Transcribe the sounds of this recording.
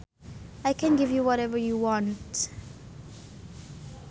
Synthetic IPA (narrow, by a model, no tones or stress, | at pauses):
ajkɛ̃nɡɪvjuwɔɾɛvəjuwɔ̃nt